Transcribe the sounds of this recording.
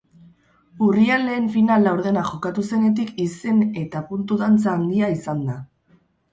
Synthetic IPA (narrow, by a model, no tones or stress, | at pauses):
uriale̞ːɱfinalːawɾðe̞naʝo̞kat̪use̞ne̞t̪̬ikise̞ne̞t̪apunt̪uðant͡saːnd̪iaisand̪a